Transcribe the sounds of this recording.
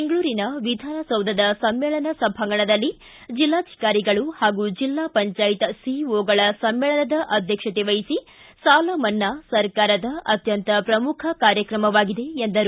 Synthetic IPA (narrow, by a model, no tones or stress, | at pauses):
beŋɡɐɭuːɾinɐʋid̪ʱaːnɐsɐwd̪ʱɐd̪ɐsɐmːeːɭɐnɐsɐbʱaŋɡɐɳɐd̪ɐlːi | d͡ʒilːaːd̪ʱi̥kaːɾiɡɐɭuhaːɡud͡ʒilːaːpɐɲt͡ʃaːjit̪ɐsiʋoːɡɐɭɐsɐmːeːɭɐnɐd̪ɐʔɐd̪ʱjɐkʂɐt̪eʋɐjisi | saːlɐmɐnːɐsɐɾkaːɾɐd̪ɐɐ̰t̪jɐnt̪ɐpɾɐmukʰɐkaːɾjɐkɾɐmɐʋaːɡid̪e̞end̪ɐɾu